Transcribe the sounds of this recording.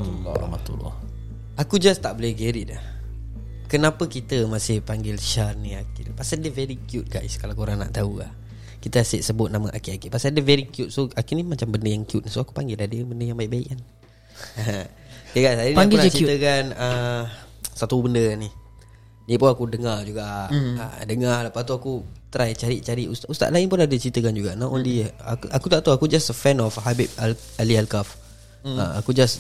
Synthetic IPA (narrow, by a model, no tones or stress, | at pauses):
lɔ̰a̰hma̰t̪ṵlːɔ̰h | akud͡ʒast̪aʔbolɛhɡəɾit̪̚ah | kənapəkit̪əmasɪhpaŋɡɪlʃarniakipasadəvɛɾikjut̪̚ɡaj̰skalawkoɾaŋna̰ʔt̪aula̰h | kit̪əasiʔsəbʊt̪̚naməʔakiʔakiʔpasadəvɛɾikjut̪̚soakinimat͡ʃambəndəjaŋkjut̪̚nisoaku̥paŋɡɪladəbəndəjaŋbaɪʔ̚baɪ̰ʔan | jəɡajsajənaaŋɡiat͡ʃit̪əkanə | sat̪ubəndənih | jəpunakudəŋard͡ʒuɡaʔə̰dəŋaləpast̪uakut̪ɾajt͡ʃaɾiʔ̚t͡ʃaɾiʔust̪aʔust̪a̰ʔ̪laɪnpʊnadət͡ʃɾit̪əkand͡ʒuɡaʔnanɔndiəakʔakut̪aʔt̪uakud͡ʒasəfɛnɔfhabit̪̚ | alialkaf | əakud͡ʒas